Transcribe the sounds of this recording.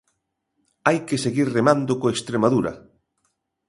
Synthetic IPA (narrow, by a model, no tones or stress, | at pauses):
ajkeseɣiɾremand̪okoekst̪ɾemaðuɾɐ̰